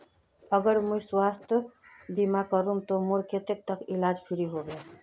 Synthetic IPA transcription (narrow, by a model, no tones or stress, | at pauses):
əɡəɾmujswast̪ʰ | bimakəɾumt̪omuɾket̪ek̚t̪əkilad͡ʒpʰiɾiɦobe